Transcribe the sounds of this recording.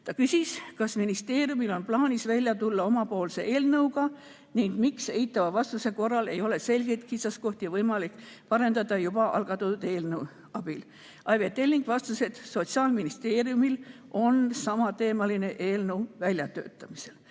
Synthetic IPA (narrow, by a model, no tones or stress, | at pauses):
t̪ɑkysiskɑsminist̪e̞ːɾjumilo̞nplɑːnʲisvælʲjɑt̪ulːɑo̞mɑpo̞ːlse̞ʔe̞ːlnɤwɡɑ | niŋɡ̥mikse̞jt̪ːˑɑvɑvɑst̪use̞ko̞rːɑle̞̰jo̞le̞se̞lʲɡ̥e̞jt̪kit̪sɑsko̞ht̪iɑvɤjmɑlikːˑpɑɾe̞nd̪ɑd̪ɑjub̥ɑʔɑ̰lɡ̥ɑt̪ud̪̥e̞ːlnɤw | ɑb̥il | ɑjvet̪ːe̞lːiŋɡ̥vɑst̪use̞d̪̥so̞t̪siɑːlminist̪e̞ːrijumilʔo̞nsɑmɑt̪e̞ːmɑline̞ʔeːlnəwvælʲjɑt̪ø̞̰ːt̪ːˑɑmise̞l